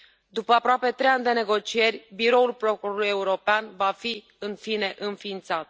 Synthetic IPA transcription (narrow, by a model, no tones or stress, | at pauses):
d̪upəapɾoape̞t̪ɾe̞janʲd̪e̞ne̞ɡo̞t͡ʃije̞rʲbiɾo̞ulpɾokuɾoluje̞uɾo̞peanvafi | ɨnfine̞ʔɨnfiːnt̪sat̪̚